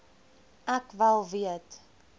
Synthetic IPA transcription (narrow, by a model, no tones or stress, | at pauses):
ækvælˠviət